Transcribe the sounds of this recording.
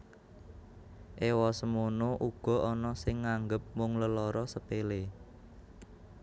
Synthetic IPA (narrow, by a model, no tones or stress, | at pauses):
ʔewɔsəmonoʔuɡ̥ɔ̤ɔnɔsɪŋːaŋɡəp̚mʊŋləlɔɾɔsəpele